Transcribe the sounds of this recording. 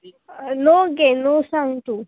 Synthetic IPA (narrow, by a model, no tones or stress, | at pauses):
noɡenosaŋt̪u